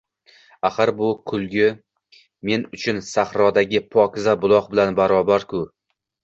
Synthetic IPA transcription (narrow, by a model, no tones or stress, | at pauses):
aχaɾbʊkʰʊlˠɡʲɪ | me̞nʊt͡ʃʰʊnsaχɾɒd̪aɡʲɪpʰɒkʲɪzabʊlˠɒqbɪlanbaɾɒbaɾkʰʊ